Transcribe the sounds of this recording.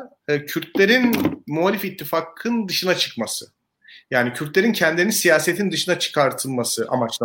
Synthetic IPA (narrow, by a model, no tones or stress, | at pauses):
cʰyɾt̪lʲe̞ɾinmualʲifit̪ʰːifakʰɯnd̪ɯʃɯnat͡ʃʰɯ̥kmasɯ | jaːnicʰyɾt̪lʲe̞ɾincʰɛnd̪lʲeinisijaːse̞t̪ʰind̪ɯʃɯnat͡ʃʰɯ̥kʰaɾt̪ʰɯlˠmasɯʔa̰mat͡ʃlˠa